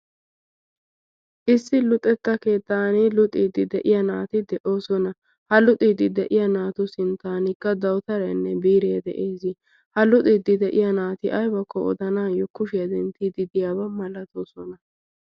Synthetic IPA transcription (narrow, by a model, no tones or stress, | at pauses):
ʔɪsːɪlʊt̪ʼɛt̪ːɐke̞ːt̪ːaːnɪlʊt̪ʼiːd̪ɪd̪ɛʔɪjɐnaːt̪ɪd̪ɛʔo̞ːsɔnɐ | hɐlʊt̪ʼiːd̪ɪd̪ɛʔɪjɐnaːt̪ʊsɪnt̪aːnɪkːɐd̪ɐwt̪ɐɾɐnːɛbiːɾeːd̪ɛ̰ʔeːzɪ | hɐlʊt̪ʼid̪ɪd̪ɛʔɪjɐnaːt̪ɪʔɐjbɐkʰːɔɔ̰d̪ɐnaːjɔkːʊʃɪjɐd̪ɛnt̪id̪ɪd̪ɪjaːbɐmɐlɐt̪oːsɔnɐ